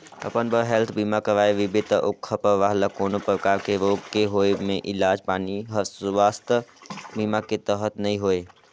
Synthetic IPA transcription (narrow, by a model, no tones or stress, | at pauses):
ə̰pənbəɾɦelt̪ʰbiːmakəɾaːeʋɪbɪt̪əʔʊkʰːəpəʋaːɦlakoːnopɾəkaːɾkeɾoːɡkeɦoːemẽʔɪlaːd͡ʒpaːniɦəɾsʋaːst̪əbimaket̪əɦət̪nəĩɦoe